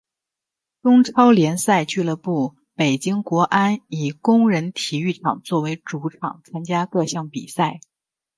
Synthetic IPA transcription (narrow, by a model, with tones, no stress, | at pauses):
ʈ͡ʂʊ˥ŋʈ͡ʂʰɑ˥ʊljɛ˧˥nsa˥˧ɪt͡ɕy˥˩lə˧pu˥˩ | pe˨˩ɪt͡ɕi˥ŋkwɔ˧˥ʔa˥ni˨˩kʊ˥ŋɻə˧˥nt̪ʰi˨˩y˥˩ʈ͡ʂʰɑ̰˨˩ŋt͡swɔ˥˩we˧˥ɪʈ͡ʂu˧˥ʈ͡ʂʰɑ̰˨˩ŋt͡sʰa˥nt͡ɕja˥kɤ˥˧ɕjɑ˥˩ŋpḭ˨˩sa˥˩ɪ